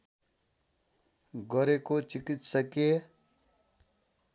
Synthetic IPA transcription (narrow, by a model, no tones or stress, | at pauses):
ɡʌɾekot͡sikit̪sʌkje